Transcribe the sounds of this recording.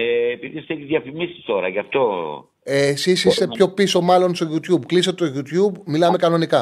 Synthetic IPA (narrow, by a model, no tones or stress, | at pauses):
eːpiðisθeçizðjɐfimisi̥st̪o̞ɾɐ̰ʝɐft̪o̞ | esisist̪epço̞piso̞mɐlo̞nst̪o̞ʝut̪çubkliset̪et̪oʝut̪çubmilɐme̞kɐno̞nikɐ